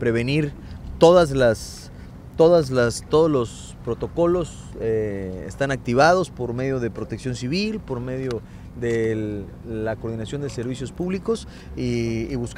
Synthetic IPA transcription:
pɾe̞βe̞niɾ | t̪o̞ðazlas | t̪o̞ðazlast̪oðolo̞s | pɾo̞t̪o̞ko̞lo̞s | eḛst̪anak̚t̪iβaðo̞spo̞ɾme̞ðjo̞ðe̞pɾo̞t̪e̞ksjo̞nsiβilpo̞ɾme̞ðjo̞ | ðe | lakoɾð̞inasjo̞nd̪ese̞ɾβisjo̞spuβliko̞s | iːβusk

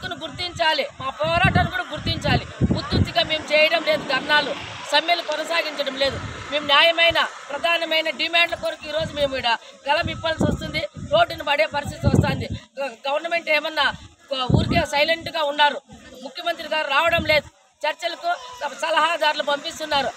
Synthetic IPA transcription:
t̪ːunuɡuɾt̪iɲt͡ʃaːlimaːpɔːɾaːʈanukuːɽɐɡuɾt̪iɲt͡ʃaːliut̪ːut̪ːiɡaːme̞ːmut͡ʃɛːjɐɽɐmle̞ːd̪uɡ̪ʱɐɾnaːlu | sɐmjɐlupɔnɐsaːɡiɲt͡ʃɐɽɐmleːd̪umeːmunjaːjɐmɐjnɐpɾɐd̪ʱaːnɐmɐjnɐɖimaːɳɖlɐkoɾɐkuiːɾo̞ːd͡ʒumeːmʋiːɽɐɡɐlɐmipːɐlsɐst̪und̪iɾo̞ːʈːinibɐɽe̞ːpɐɾis̬t̪it̪iʋɐst̪aːnd̪iɡɐʋɐɾnɐme̞ɳʈeːmɐnːɐ | uːɾikeːsɐjleɳʈuɡaːunːaːɾumukʰjɐmɐnt̪ɾiɡaːɾuɾaːʋɐɽɐmle̞ːd̪u | t͡ʃɐɾt͡ʃɐlɐkusɐlɐɦaːd̪aːɾulubɐmpist̪unːaːɾu

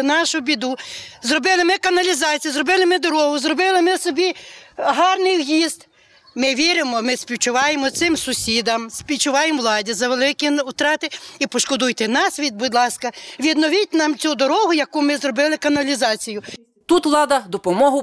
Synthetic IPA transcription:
nɑʃʊbʲid̪uzrɔbɪlˠɪmɪkɐnɐlʲizɑt͡sʲijuzrɔbɪlˠɪmɪd̪ɔɾɔɦʊzrɔbɪlˠɪmɪsɔbʲiɦɑrnɪjwjizt̪ | mɪʋʲiɾɪmɔmɪsʲpʲiwt͡ʃʊʋɑjemɔt̪sɪmsʊsʲid̪ɐmsʲpʲiwt͡ʃʊʋɑjemʋlˠɑdʲizɐʋelˠɪkʲiut̪ɾɑt̪ɪipɔʃkɔd̪ujt̪ɛnɑsʋʲid̪̚bʊd̪lˠɑskɐʋʲid̪nɔʋʲit̚ʲnɑmt͡sʲud̪ɔɾɔɦʊjɐkumɪzɾɔbɪlˠɪkɐnɐlʲizɑt͡sʲijʊ | t̪ut̪ʋlˠɑd̪ɐd̪ɔpɔmɔɦʊ

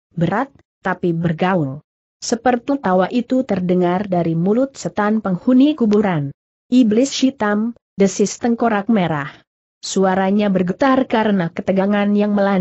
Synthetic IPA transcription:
bəɾat̪̚ːapibərɡaul | səpərt̪it̪awaʔit̪ut̪ərdəŋardaɾimulʊt̪̚sət̪anpəŋhunikubuɾan | ʔiblɪsʃit̪am | dəsɪst̪əŋkoɾak̚meɾah | suaɾaɲabərɡət̪arkaɾənakət̪əɡaŋanjaŋməla

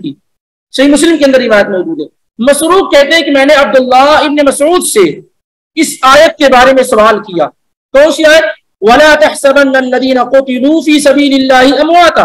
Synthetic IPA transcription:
iː | ʃɐɦimʊslɪmkeɐnd̪əɾɾɪʋaːjət̪mɔːd͡ʒuːd̪ɦɛː | mɐsɾuːq̚kɛɦt̪eɦɛ̃kemɛ̃ːneɐb̚d̪ʊlːaɪbnemɐsʕuːd̪se | ɪsaːjət̪̚kebaːɾemẽsʊaːlkija̰ː | t̪oːsiaːeː | wɐlaːt̪ɐħsɐbɐnːɐlːɐðiːnɐqʊt̪ɪluːfiːsɐbiːlɪlːaːɦɪɐmwaːt̪aː

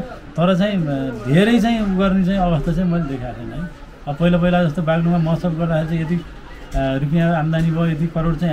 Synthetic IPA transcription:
t̪ʌɾʌt͡saĩd̪ʱeɾʌjt͡saĩuɡʌrnit͡saj̃ʌbʌst̪ʰat͡saĩmʌled̪ekʰat̪ʰʌnɦʌj | ʌpʌɦilap̬ʌɦilad͡zʌst̪obaɡnumamʌsʌlɡʌrd̪akʰeɾit͡saĩet̪i | ɾukijãamd̪anibʱʌet̪ikʌɾoɽt͡saĩ

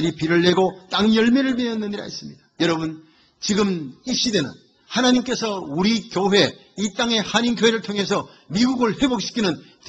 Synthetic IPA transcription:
ɾipiɾɯɭːe̞ɡot͈aŋjʌɭmeɾɯɭmeʌnːɯɲiɾa̰is͈ɯmɲid̥ḁjʌɾʌbun | t͡ɕiɡɯmiɕ͈ide̞nɯ̰n | hanaɲimk͈e̞sʰʌuɾikjoɦe̞it͈aŋe̞haɲinɡjoɦe̞ɾɯɭtʰoŋɦe̞sʰʌ | miɡuɡɯɭhe̞bok̚ɕ͈ʰi̥kʰinɯn | t

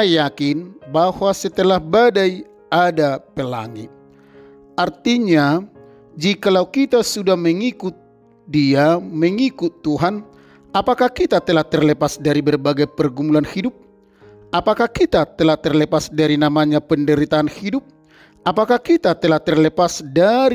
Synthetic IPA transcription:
ajakinbahwasət̪əlahbadaj | adapəla̰ŋḭ | art̪iɲa | d͡ʒikalaukit̪asudahməŋikut̪̚ | diaməŋikut̪ːuɦan | apakahkit̪at̪əlaht̪ərləpasdaɾibərbaɡajpərɡumulanhidup̚ | ʔapakakit̪at̪əlaht̪ərləpasdaɾinamaɲapəndəɾit̪aːnhidup̚ | apakahkit̪at̪əlaht̪ərləpasdaɾ

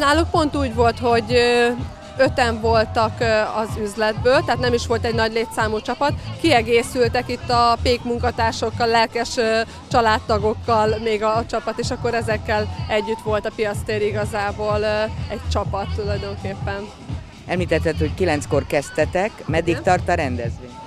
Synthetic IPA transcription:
naːluk̚po̞nt̪uːɟʋo̞lt̪ho̞ɟ | ø̞t̪ɛɱvo̞lt̪ɒkɒzyzlɛd̪bøːlt̪ɛɦːt̪nɛmiʃʋo̞lt̪ɛɟnɒɟleːt̪saːmut͡ʃɒpɒt̪kiɛɡeːsylt̪ɛkit̪ːɒpeːkmuŋkɒt̪aːrʃo̞kːɒlːɛlkɛʃ | t͡ʃɒlaːt̪ːɒɡo̞kːɒlmeːɡɒt͡ʃɒpɒt̪eːʃɒkːo̞ɾɛzɛkːɛlɛɟːyt̪ʋo̞lt̪ɒpijɒt̪st̪eːɾiɡɒzaːboːlɛɟt͡ʃɒpɒt̪ːulɒjd̪o̞ŋkeːpːɛn | ɛmliːt̪ɛt̪ːɛt̪hockilɛnsko̞rkɛst̪ɛt̪ɛkmɛd̪ːikt̪ɒrt̪ɒɾɛnd̪ɛzʋe

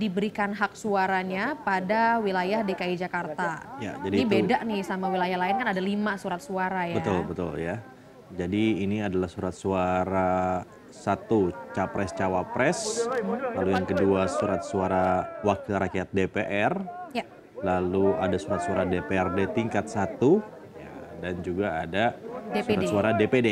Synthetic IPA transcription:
dibəɾikanɦak̚suaɾaɲapadawilajahdekaid͡ʒakart̪aja̰d͡ʒadiibedaʔnɪsamawilajahlaɪnkanadalimasuɾat̪̚suaɾajabət̪ʊlbət̪ʊ̰lja | d͡ʒadiːniadalahsuɾat̪̚suaɾa | sat̪ut͡ʃapɾɛst͡ʃawapɾɛs | lalujaŋkəduasuɾat̪̚suaɾawak̚kiɾakijat̪̚depeʔɛrja | laluadasuɾat̪suaɾadepeɛrdet̪iŋkat̪̚sat̪u | ja̰dand͡ʒuɡaːdadesuɾatsuaɾadepede

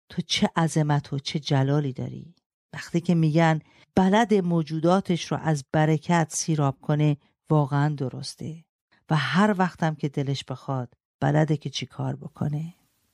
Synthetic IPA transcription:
t̪ʰot͡ʃʰeʔæzemæt̪ʰot͡ʃʰe̞d͡ʒælɒːliːd̪ɒ̰ːɾḭː | væxt̪ʰiːcʰe̞miːɟæn | b̥ælæd̪e̞moːd͡ʒuːd̪ɒːt̪ʰe̞ʃɾɔ̰ʔæzbæɾekʰæt̪ʰsiːɾɒːb̥̚kʰo̞ne̞ | vɒːɣeænd̪o̞ɾo̞̰st̪ʰe̞ | væɦæɾvæxt̪ʰæmcʰe̞d̪e̞leʃb̥e̞xɒːd̪̥ | b̥æ̰læd̪ecʰe̞t͡ʃʰekʰɒ̰ːɾbo̞kʰo̞̰ne̞

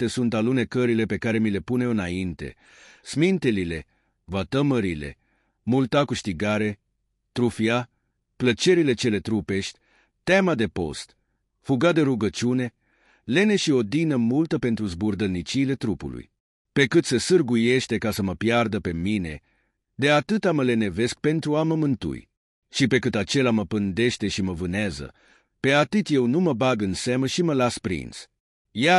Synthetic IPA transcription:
t̪e̞sunt̪alune̞kəɾile̞pe̞kaɾe̞mile̞pune̞ɨnaint̪e̞̰ | smint̪elile̞ | vat̪əməɾile̞̰ | mult̪akɨʃt̪iɡaɾe̞ | t̪ɾufia | plət͡ʃe̞ɾile̞t͡ʃe̞le̞t̪ɾupe̞ʃt̪ʲ | t̪amad̪e̞po̞̰st̪ | fuɡad̪e̞ɾuɡət͡ʃune̞ | le̞ne̞ʃio̞d̪inəmult̪əpe̞nt̪ɾuzburd̪əlnit͡ʃiːle̞t̪ɾupṵlṵj | pe̞kɨt̪sesɨrɡuje̞ʃt̪e̞kasəməpjard̪əpe̞mine̞̰ | d̪e̞at̪ɨt̪aməle̞ne̞ve̞sk̚pe̞nt̪ɾuaməmɨnt̪ṵj | ʃipe̞kɨt̪at͡ʃe̞laməpɨnd̪e̞ʃt̪e̞ʃiməvɨneazə̰ | pe̞at̪ɨt̪je̞wnuməbaɡɨnseməʃiməlaspɾḭns | ja

